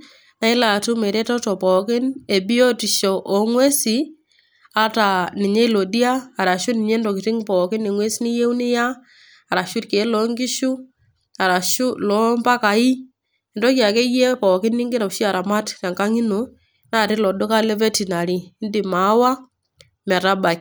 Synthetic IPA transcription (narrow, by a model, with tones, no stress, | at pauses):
na˦ɪ˦la˨tʊ˦me˨ɾe˦tɔ˦tɔ˨pɔ˨kɪ˦ne˨bi˦ɔ˦ti˨ʃɔ˨ʔɔ˨ŋwe˦si˨ | a˦ta˨nɪ˨ɲe˦lɔ˨di˦aː˦˨ɾa˨ʃʊ˦nɪ˨ɲe˦ndɔ˨kɪ˨tɪ˦ŋpɔ˨kɪ˦ni˨ŋwe˦snɪ˦je˦u˦nɪ˦jaː˦˨ | ɾa˨ʃʊ˦tke˨˦lɔ˨˦ŋɡɪ˦ʃu˦ | a˨ɾa˨ʃu˦lɔ˨˦mpa˦ka˨i˦˨ | ndɔ˦kja˨ke˦je˦pɔː˨kɪ˦nːɪ˦ŋɡɪ˦ɾa˨ʃi˦a˨ɾa˨ma˦tɾa˨ŋka˦ŋi˦no˨ | na˦˨ɾɪ˦lɔ˨do˦ka˦le˦ve˦ti˨na˨ɾiː˨˦ndi˨ma˨˦wa˦ | mɛ˨ɾa˦ba˨k